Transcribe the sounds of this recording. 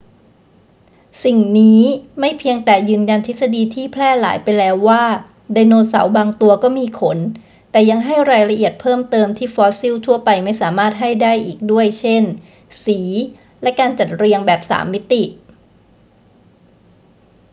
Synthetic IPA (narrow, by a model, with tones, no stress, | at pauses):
si˨˩ŋniː˦˥ma˥˩jpʰi˧əŋt̪ɛː˨˩jɯː˧nja˧nt̪ʰi˦˥t̪̚sa˧diː˧t̪ʰiː˥˩pʰlɛː˥˩la̰ː˩˦jpa˧jlɛː˦˥wːaː˥˩ | da˧jnoː˧sa̰˩˦wbaː˧ŋt̪u˧ɐkɔː˥˩miː˧kʰo˨˩˦n | t̪ɛː˨˩ja˧ŋɦa˥˩jɾaː˧jla˧ʔi˨˩ət̪̚pʰɤː˥˩mt̪ɤː˧mt̪ʰiː˥˩fɔː˦˥si˥˩wt̪ʰu˥˩ɐpa˧jma˥˩jsaː˩˦maː˥˩t̪̚ɦa˥˩jdaː˥˩jʔiː˨˩k̚du˥˩əjt͡ɕʰe˥˩n | siː˩˦ | lɛ˦˥kaː˧nt͡ɕa˨˩t̪̚ɾi˧əŋbɛː˨˩p̚sa̰ː˩˦mːi˦˥t̪i˨˩ʔ